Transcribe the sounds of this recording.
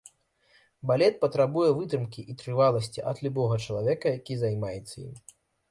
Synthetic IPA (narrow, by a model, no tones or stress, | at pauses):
balʲɛt̪̚pɐt̪ɾabujɛvɨt̪ɾɨmkʲiʔit̪ɾɨvalˠɐsʲt͡sʲiʔɐd̪lʲubɔɣɐt͡ʂɐlˠavʲɛkɐjakʲizajmajɛt̪sːɐjḭm